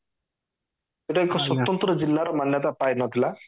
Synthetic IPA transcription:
eʈɔekɔswɔt̪ːɔnt̪ɾɔd͡ʒilːaɾɔmanjɔt̪apajnɔt̪ʰila

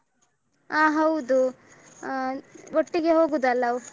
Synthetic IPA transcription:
aːɦɐwd̪u | oʈːiɡe̞ɦo̞ːɡud̪ɐlːɐ

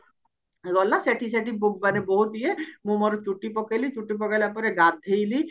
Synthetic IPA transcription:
eɡɔlːaseʈʰiseʈibuk̚baneboɦut̪iemumɔɾot͡ʃuʈːipɔkelit͡ɕuʈːipɔkelapɔɾeɡad̪ʱːejli

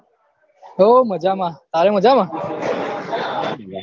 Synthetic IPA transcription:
oːməd͡ʒaːmãːt̪aːɾeməd͡ʒaːmãː

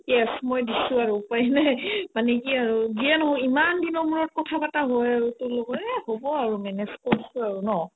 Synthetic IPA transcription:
jɛsmɔjdisʊ̃aɹupajnɛmanɛkiaɹuziɛnɔɦɔimandinɔmuɹɔt̚kɔtʰabataɦojaɹutʊloɡɔtɛhobɔaɹumɛnɛskɔisuaɹunɔ

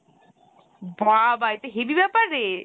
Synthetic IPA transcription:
babaet̪oɦebibɛpaɾe

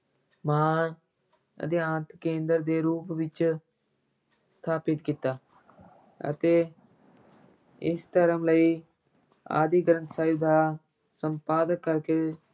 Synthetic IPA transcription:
maː | ə̰d̪ɪãːnt̪kẽːnd̪əɾd̪eːɾuːpʋɪt͡ʃ | st̪ʰaːpɪt̪kit̪aː | ə̰t̪eː | ɪst̪əɾəmləiː | a̰ːd̪iːɡəɾə̃nt̪saːud̪aː | səmpaːd̪əkːəɾkeː

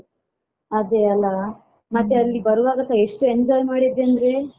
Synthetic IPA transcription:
ɐd̪eɐlːɐ | mɐt̪ːeɐlːibɐɾuʋaːɡɐsaeʂʈuend͡ʒɔːjlmaːɽid̪ːeɐnd̪ɐɾe

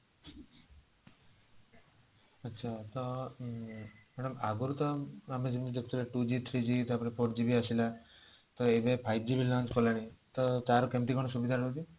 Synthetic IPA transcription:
ətːʃʰat̪ɔ | mɛɽəmaɡuɾt̪ɔamed͡ʒimid͡ʒ̪əkʰt̪ʰilaʈud͡ʒit̪ʰɾid͡ʒit̪ɔapɽ̃epʰoʈ̚d͡ʒibʱiasila | t̪ɔebepʰajb̚d͡ʒibʱilãnt͡ʃkɔlaɽ̃it̪ɔt̪aɾokemt̪̬ikɔɽ̃ɔsubid̪ʱaɽt̪i

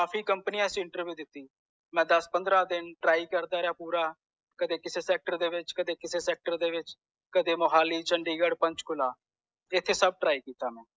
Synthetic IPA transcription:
kaːpʰiːkəmpniːãːsĩɪ̃ɳʈəɾʋjuːd̪ɪt̪ːiː | mɛ̃ːd̪əspənd̪ɾaːd̪ɪnʈɾaːiːkəɾd̪aːɾeaːpuːɾaː | kəd̪eːkɪseːsɛːk̚ʈəɾd̪eːʋɪt͡ʃkəd̪eːkɪseːsɛːk̚ʈəɾd̪eːʋɪt͡ʃ | kəd̪eːmoɦaːliːt͡ʃəɳɖiːɡəɽpə̃ɲt͡ʃkʊlaː | ɪt̪ʰːeːsəb̚ʈɾaːiːkiːt̪aːmɛ̃ː

